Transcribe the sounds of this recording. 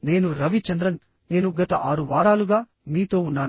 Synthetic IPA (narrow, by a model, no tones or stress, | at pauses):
ne̞ːnuɾɐʋit͡ʃɐnd̪ɾɐn | ne̞ːnuɡɐt̪ɐʔaːɾuʋaːɽaːluɡaː | miːt̪o̞ːunːaː